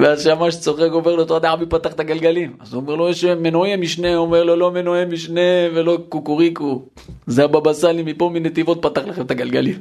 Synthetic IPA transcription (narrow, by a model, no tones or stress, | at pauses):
veazʃamaʃt͡so̞χekoveʁlot̪oad̪aabipat̪aχt̪aɡalɡalimazuomeʁlojeʃme̞noemiʃneuomeʁlolome̞noemiʃnevelo̞kukuʁiku | zeababasalimipominet̪ivo̞t̪̚pat̪aχlaχemt̪aɡalɡalim